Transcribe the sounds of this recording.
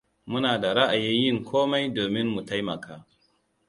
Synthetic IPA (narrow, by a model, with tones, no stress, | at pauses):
mʊ˦naː˨da˨ɾa˦ʔa˨jɪ˦njɪ˦˨ŋkʷoː˦ma˦jdoː˨mɪ˦nmu˨ta˦jmɐ˨kʰaː˦